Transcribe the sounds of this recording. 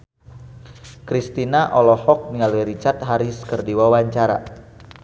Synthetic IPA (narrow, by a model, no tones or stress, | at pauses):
kɾist̪inaʔɔlɔhɔk̚niŋaliɾit͡ʃart̪̚ɦaɾiskərdiwawaɲt͡ʃaɾa̰